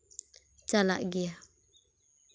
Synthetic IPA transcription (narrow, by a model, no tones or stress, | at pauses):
t͡ʃala̰ʔɡia